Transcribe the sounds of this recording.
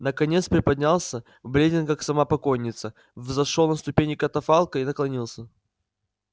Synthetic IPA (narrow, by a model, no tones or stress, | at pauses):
nəkɐnʲe̞t̪spɾʲɪpɐd̪ʲnʲalˠsʲə | blʲedʲɪnkaksɐmapɐkonʲːɪt̪sə | vzɐʂolˠnəst̪ʊpʲenʲɪkɐt̪ɐfalˠkəinəklˠɐnʲilˠsʲə